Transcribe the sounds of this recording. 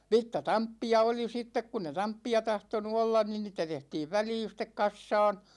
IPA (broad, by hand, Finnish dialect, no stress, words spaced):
ʋitːɑtɑmpːiɑ oli sitːek kunː e tɑmpːiɑ tɑhtonu olːɑn nin niːtæ tehtiːʋ ʋæliːn̞ sĭtˑek kɑsːɑːn